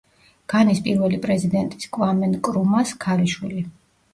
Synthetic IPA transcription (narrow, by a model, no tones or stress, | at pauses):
ɡ̥anispʼiɾvɛlipʼɾɛzid̪ɛnt̪ʼi̥skʼvamɛnkʼɾumaskʰaliʃwili